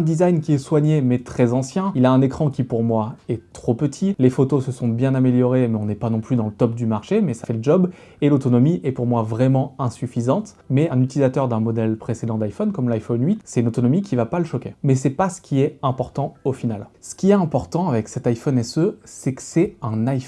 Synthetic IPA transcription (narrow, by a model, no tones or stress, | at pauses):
ɛ̃d̪izajnkʲiɛswaɲemɛt̪χɛzɑ̃sjɛ̃ilaɛ̃nekχɑ̃kʲipuʁmwaɛt̪χopət̪ʰilefot̪osəsɔ̃bjɛ̃nameljɔʁemɛɔ̃nɛpanɔ̃plyd̪ɑ̃lət̪ɔp̚d̪ymaʁʃemɛsafɛləʒɔb | elot̪ɔnɔmiʔɛpuʁmwavʁɛmɑ̃ɛ̃syfizɑ̃t̪ | mɛɛ̃nyt̪ilizat̪œʁd̪ɛ̃mɔd̪ɛlpχesed̪ɑ̃d̪ajfɔnkɔmlajfɔnɥit̪sɛt̪ynot̪ɔnɔmikʲivapaləʃɔkʲemɛsɛpasə̥kʲiɛɛ̃pɔʁt̪ɑ̃ofinalsə̥kʲiɛt̪ɛ̃pɔʁt̪ɑ̃avɛksɛt̪ajfɔnɛsøsɛkə̥sɛɛ̃najf